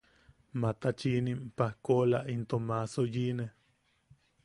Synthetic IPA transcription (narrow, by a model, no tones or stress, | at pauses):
mat̪at͡ʃinimpahkolaʔint̪omasojine